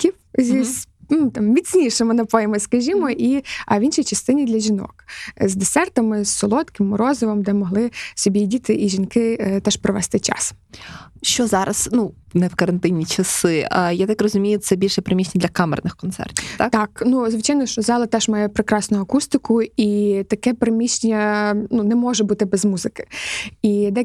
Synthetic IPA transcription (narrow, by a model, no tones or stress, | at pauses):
kʲiwzʲiz | nut̪ɑmːʲit͡sʲnʲiʃemɪnɐpɔjɛmɐskɐʒʲimɔʔiɐʋʲinʃijt͡ʃɐst̪ɪnʲid̪lʲɐʒʲinɔ̰kzd̪esɛrt̪ɐmɪsːɔlˠɔt̪kɪmːɔɾɔzɔʋɔmd̪ɛmɔɦlˠɪsʲɔbʲidʲit̪ɪʔiʒʲinkɪt̪ɛʃpɾɔʋɛst̪ɪt͡ʃɑ̰s | ʃt͡ʃɔzɑɾɐz̥nu | nɛwkɐɾɐnt̪ɪnʲːit͡ʃɐsɪjat̪ɑkrɔzʊmʲijʊt̪sɛbʲilʲʃɛpɾemʲit͡ʃnʲɐd̪ʲlʲɐkɑmɛ̰rnɪxkɔnt̪sɛ̰rtʲit̪ɑkt̪ɑknuzʋɪt͡ʃɑjnɔʃt͡ʃɔzɑlˠɐt̪ɛʒmɑjɛpɾekɾɑsnʊɐkust̪ɪkʊit̪ɐkɛpɾemʲiʃnʲɐnunɛmɔʒɛbut̪ɪbɛzmuzɪkɪ̥id̪ɛ